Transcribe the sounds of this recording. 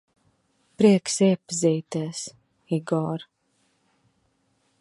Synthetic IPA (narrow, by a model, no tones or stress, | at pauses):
pɾiɛksiɛpaziːt̪ɛːs | iɡɔːɾ